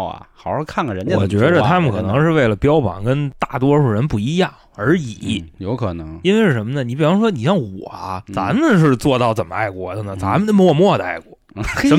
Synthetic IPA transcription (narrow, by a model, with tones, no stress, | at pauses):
ɐ̰˩xɑ˨˩˥kʰa˥˩ŋɡə˩ɻə˧˥n˥˧wɔ̰˨˩t͡ɕɥɛɛ˧˥d̪ə˧t̪ʰa˥mə˨nkʰɤ˨˩nɤ˧˥ŋʂɻ̩˥˧we˥˩ɪlə˩pjɑ˥ʊpɑ̰˨˩ŋkə˥nt̪a˥˩t̪wɔ˥ʂu˨˩ɻə˧˥npu˥˩i˧˥jɑ˥˩ŋ | ə˞˧˥i˨˩˦jo˧˥ʊkʰɤ˨˩nɤ˧˥ŋi˥nwe˥˧ʂɻ̩˥˩ʂə˧˥mə˧nə˩ni˧˥p̬i˨˩fɑ˧˥ŋʂwɔ˥ni˨˩ʂjɑ˥˩ŋwɔ˨˩ɐ˦t͡sa̰˧˥mə˧ʂ̬ɻ̩˥˧t͡swɔ˥˧t̪ɑ˥˩ʊt͡sə˨˩nmə˧a̰˥˧˩ɪkwɔ˥˩d̪ə˩nə˩t͡sa˧˥mə˨˧nə˥˩mə˦wɔ˥˧˩mwɔ˥˩d̪ə˧a̰˥˩ɪkwɔ̰˥˩ʂə˧˥